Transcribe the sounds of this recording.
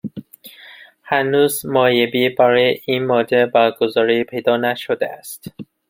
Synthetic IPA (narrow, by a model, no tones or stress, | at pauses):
hænuːzmɒːjebiːbæɾɒːjeʔiːnmɒːd͡ʒebæɾɡozɒːɾiːpʰe̞jd̪ɒːnæʃod̪eæst̪